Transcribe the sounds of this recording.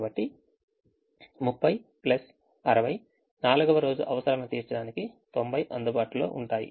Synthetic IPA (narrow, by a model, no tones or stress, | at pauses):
bɐʈːi | mupʰːɐjplɐs | ɐɾɐʋɐj | naːluɡɐʋɐɾo̞ːd͡ʒṵʔɐʋɐsɐɾɐnɐt̪iːsɐɽaːnikit̪o̞mbɐjʔɐnd̪ubaːʈulo̞̰ːʔuɳʈaːjḭ